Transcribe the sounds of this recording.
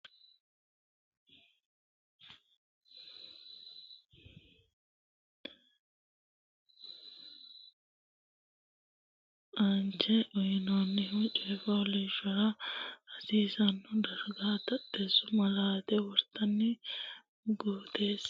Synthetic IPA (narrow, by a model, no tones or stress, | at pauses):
ɐnt͡ʃːɛʔɔjɪnaːnːɪʊt͡ʃʼɔjfɐɔlɛːʃɔɾɐhɐsiːsɐnːʊd̪ɐɾɡaːt̪ɐɗːeːsːʊmɐlaːt̪ɛwɔɾt̪ʰːɐnːɛ | ɡoːt̪eːs